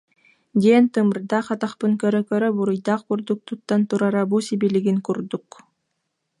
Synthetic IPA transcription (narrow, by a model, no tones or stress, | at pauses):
d̪ʲent̪ɯmɯɾd̪ɑχɑt̪aχpɯŋkœɾœkœɾœbuɾujd̪ɑqbuɾd̪uk̚t̪ut̪ːant̪uɾaɾabusibiliɡiŋkuɾd̪uk